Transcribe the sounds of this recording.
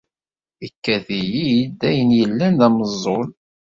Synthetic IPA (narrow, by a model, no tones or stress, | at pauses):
ikːæðijijid̪ːæjənjəlːænðæməzˤːon